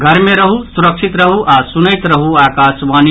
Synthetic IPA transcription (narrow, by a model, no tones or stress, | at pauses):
ɡʱəɾmeɾəɦusuɾəkʃʰit̪ɾəɦuʔasunəɪt̪ɾəɦuaːkaːsʋaːn